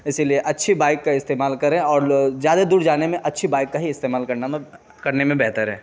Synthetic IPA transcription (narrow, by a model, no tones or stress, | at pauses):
ɪsilieʔɐtːʃʰibaːɪkːaɪst̪eːmaːlkɐɾẽɔːɾzjaːd̪ad̪uːɾd͡ʒaːnemẽʔɐtːʃʰibaːɪkːaɦiɪst̪eːmaːlkɐɾnam | kɐɾnemẽbɛɦt̪əɾɦɛ̰ː